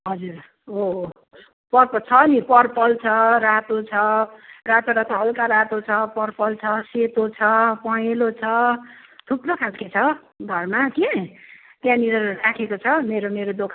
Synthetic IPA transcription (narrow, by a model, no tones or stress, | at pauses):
ɦʌd͡zur | o | pʌrpʌt͡sʰʌnipʌrpʌlt͡sʰʌrat̪ot͡sʰʌrat̪oɾat̪ʌɦʌlkaɾat̪ot͡sʰʌpʌrpʌlt͡sʰʌset̪ot͡sʰʌpʌjelot͡sʰʌ | t̪ʰuprokʰalket͡sʰʌ | ɡʱʌrmaki | pjãniɾʌrakʰekot͡sʰʌmeɾomeɾod̪okʰ